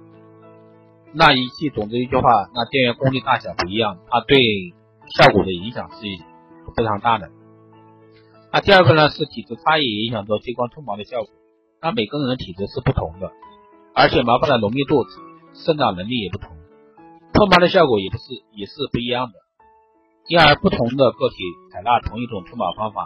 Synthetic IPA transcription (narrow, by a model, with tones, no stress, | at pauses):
na˥˩i˧˥t͡ɕʰi˥˩t͡sʊ˨˩ŋʈ͡ʂɻ̩˥i˧˥˩t͡ɕy˥˧xwa˥˩na˥˧t̪jɛ˥˩nɥɛ˧˥nkʊ˥ŋli˥˧t̪a˥˩ɕjɑ˨˩pu˥˩i˧˥jɑ˥˩ŋə˩na˥˧t̪we˥˧ɪ | ɕjɑ˥˩ʊkwɔ˨˩d̪ə˦i˧˥ŋɕjɑ˨˩ŋʂɻ̩˥˩˧ | fe˥ʈ͡ʂʰɑ˧˥ŋt̪a˥˩d̪ə˩ | na˥˧t̪i˥˧ə˥˩ə˥˩na˥˧ʂɻ̩˥˩t̪ʰi˨˩ʈ͡ʂ̩˥t͡sʰa˥jɛ˥˨˥i˧˥ŋɕjɑ˨˩ŋt͡swɔ˥˩t͡ɕe˥kwa˥nt͡s̪ʰwŋmɑ˧˥ʊd̪ə˧ɕjɑ˥˩ʊkwɔ˨˩˦ | na˥˩me˨˩ɪkə˥nə˧˩ə˧˥nt̪ʰi˨˩ʈ͡ʂ̩˧˥ʂɻ̩˥˧pu˥˩t̪ʰʊ˧˥ŋd̪ə˧ | ə˞˧˥t͡ɕʰjɛ˨˩mjɑ˧˥fa˧˥na˥˩lʊ˧˥ŋmjɛ˥˧t̪wɔ˥˩ʈ͡ʂɹ̩˧˩ | ʂə˥˧nt̪ɑ˥˩nə˧˥li˥˩jɛ˨˩pu˥˩t̪ʰʊ˧˥ŋd̪ə˧ | t͡s̪ʰwɔ˥˩mɑ˧˥d̪ə˧ɕjɑ˥˩ʊkwɔ˨˧˩jɛ˨˩˥ʂ̩˥˩jɛ˨˩ʂɻ̩˥˧pu˥˩i˧˥jɑ˥˩ŋd̪ə˩ | i˥nə˞˧˥pu˥˩t̪ʰʊ˧˥ŋd̪ə˧kɤ˥˩t̪ʰi˨˩t͡sʰa˨˩ɪla˥˩t̪ʰʊ˧˥ŋi˥˩ʈ͡ʂʊ˨˩ŋt̪ʰʊ˥ŋmɑ˧˥fɑ˥ŋfa̰˨˩˦